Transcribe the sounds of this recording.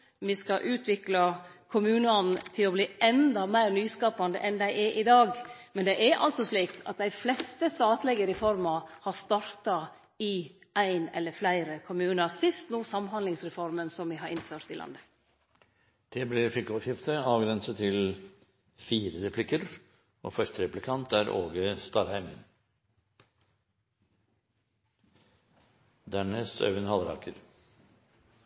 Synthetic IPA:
ʋɪskɑʔʉːt̪ʰʋɪklɑkʰʊmʉːnəɑnt̪ʰɪlɔbliːɛnd̪ɑmæɪɾnyːskɑːpɑnd̪ə̰ʔɛnd̪æɪʔɛɾʔɪd̪ɑːɡmɛnd̪ɛʔæɾʔɑ̰lsɔsliːkɑ̰t̪̚d̪æɪflɛst̪əst̪ɑːt̪lɛɡəɾɪfɔɾmɑhɑst̪ɑɾt̪ɑ | ɪ | ʔæɪnɛ̰lːəɾflæɪɾəkʰʊmʉːnɑsɪst̪nuːsɑmːɦɑnd̪lɪŋsɾɛfɔɾmənsɔmʋɪɦɑɾʔɪ̰nføːɾt̪ɪlɑ̰nd̪ə | d̪̥eːblɪflɪkəɔːʂjɪft̪ʰəɑːʋɡɾɛnsət̪ʰɪl | fiːɾəɾɛpʰlɪkəɾ | o̰ːfœʂtəɾɛplɪkʰɑnt̪æːɾʔo̰ːɡəst̪ɑːɾhæɪmən | d̪æːɳəsœ̰ʉnəhɑləɾɑ̰ɾkʰəɾ

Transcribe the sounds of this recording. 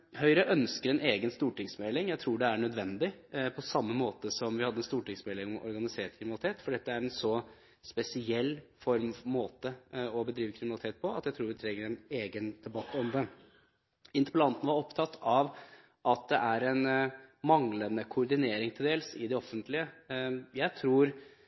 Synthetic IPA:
hœʏɾəʔœnskəɾɛnʔeːɡənst̪uːʈɪŋsmɛlɪŋjæɪt̪ʰɾuːɖɛæɳœd̪ʋɛnd̪ɪpʰɔsɑmːəmoːt̪əsɔmʋɪhɑd̪ːəɛnst̪uːʈɪŋsmɛːlɪɔ̰ɾɡɑnɪseːʈkʰɾɪmɪnɑlɪt̪ʰeːt̪fɔɖɛt̪ːəæɾɛnsɔ | spɛsɪɛlːfɔɾmmoːt̪əɔbəd̪ɾiːʋəkʰɾɪmnɑlɪt̪ʰeːt̪̚pʰɔɑ̰t̪jæɪt̪ʰɾuːɾʋɪt̪ʰɾɛŋːəɾɛneːɡənd̪̥ɛbɑt̪ːɔmd̪ə | ɪnt̪əɾpəlɑnt̪n̩ʋɑɾɔpt̪ʰɑt̪ʰːɑʋ | ʔɑt̪̚d̪ɛʔæɾɛnmɑŋlənəkʰʊʊɾɖ̪ɪneːɾɪŋt̪ʰɪld̪eːlsɪd̪ɛɔfːənt̪lɪəjæɪt̪ʰɾuːɾ

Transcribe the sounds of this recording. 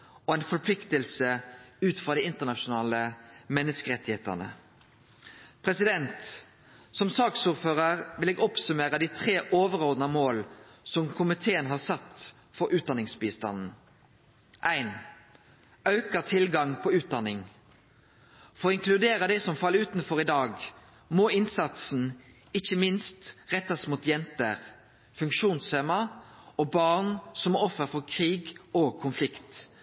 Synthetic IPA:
ɔæɪnfɔɾpʰlɪkt̪əlsəʉːt̪fɾʁɑd̪iɪɪnt̪ənɑʃʊnɑːləmɛnːəskəʁɛt̪ːɪheːt̪ə̰nə̰ | pʰʁɛsɪd̪ɛnt̪ | sɔmsɑːksuːɾføːʁəʁʋɪleːɡɔpsʉmeːʁəd̪it̪ʰʁeːʔoːʋəʁɔʁd̪nɑmoːlsɔmkʰʊmɪt̪ʰeːənɦɑʁsɑt̪ː | fɔɾʔʉːt̪̚d̪ɑnɪŋsbiːst̪ɑnn̩ | ʔæɪn | ɑʉkət̪ʰɪlɡɑŋpʰɔʉːt̪̚d̪ɑnɪŋ | fɔʁɔɪŋkʰlʉd̪eːʁəd̪ɛsɔmfɑlːəʉːt̪n̩fɔʁɪd̪ɑːɡ | mɔːɪnsɑt̪sn̩ | ɪçəmɪnst̪ʁɛt̪ːɑsmuːt̪jɛnt̪əʁ | fʉŋkʃuːnsfeːmɑɔːbɑːʁnsɔmɔfəfɔʁkʰʁiːɡoːɡ̚kʰʊnflɪkt̪

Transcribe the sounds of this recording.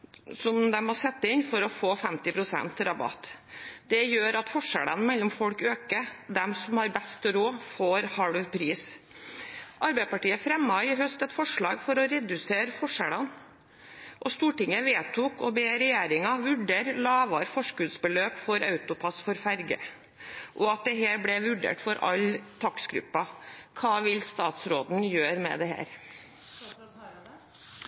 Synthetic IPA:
sɔmd̪ɛmɔsɛt̪ːəɪnfɔɾɔfoːfɛmt̪ɪpʰɾʊsɛ̰nt̪ɾɑbɑ̰t̪ːd̪ɛjøːɾɑt̪fɔʂɛlənmɛlːɔmfɔlkøːkəd̪ɛmsɔmhɑɾbɛst̪ɾoːfoːɾhɑɽʋpʰɾiːs | ʔɑɾbæɪd̪pɑʈiːəfɾɛmːɑɪɦœst̪ɛt̪fɔʂɭɑ̰ːɡfɔɾɔɾɛd̪ʉseːɾəfɔʂɛlən | ʔɔst̪uːʈɪŋəʋeːt̪ʰuːkɔbeːɾɛjæːɾɪŋɑʋʉɖeːɾlɑːʋɑːɾfɔʂkʉd̪sbəløːpfɔɾɑʉt̪ʊpʰɑsfɔɾfæɾɡə̰ | ʔɔɑt̪̚d̪ɛɦæːɾbɽɛʋʉɖḛːʈfɔɾɑ̰lt̪ʰɑksɡɾʉ̰pːɑkʰɑːʋɪlst̪ɑːt̪sɾoːd̪n̩jøːɾmɛ̰d̪ɛhæ̰ːɾ

